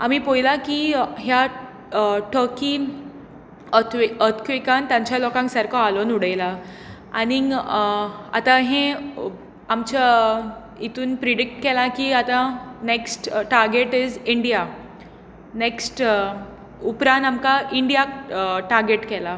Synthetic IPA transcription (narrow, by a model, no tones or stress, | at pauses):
amipojlakiɦja | ʈʰəkiː | ət̪ʰkʰʋikãnt̪jãɲt͡ɕjalɔkãŋksəɾkʰɔalonuɽəjla | ani | a̰t̪ãɦẽ | amt͡ɕa | it̪uːnpɾiɽik̚ʈkɛlãkiat̪ãneksʈʈaɾɡeʈid͡ziɳɖija | neksʈ | upɾãnt̪amkaʔiɳɖijaʈaɾɡeʈkɛla